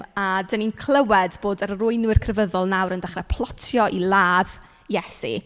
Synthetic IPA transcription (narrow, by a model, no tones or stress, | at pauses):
adəninkʰl̥ˠəwɛdboːdəɾrʊɨnwɪrkʰrɛvəðɔlˠnawɾəndaχrɛpʰlˠɔtʰjɔʔilˠaːð | jɛsḭ